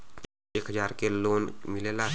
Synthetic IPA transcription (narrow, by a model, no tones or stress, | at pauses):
eːkɦəd͡ʒaːɾkeloːnmɪlela